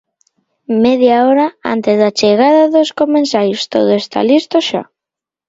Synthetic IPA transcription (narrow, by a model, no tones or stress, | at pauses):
meðjaoɾaa̰nt̪ezðat͡ʃeɣ̞aðaðoskomẽnsajost̪oð̞oest̪a̰list̪oʃa̰